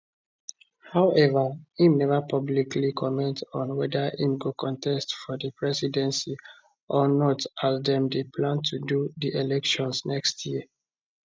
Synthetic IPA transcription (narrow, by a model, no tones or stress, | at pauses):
haʊʔɛvaĩmnɛvapɔblikʰlikʰɔmɛ̃ntɔ̃nwɛdaʔĩmɡokʰɔ̃ntʰɛstfɔdəpɹɛsidɛ̃nsi | ʔɔnɔtazdɛ̃mdəpʰlãntʰududiʔelɛkʃɔ̃nsnɛkstʰjiə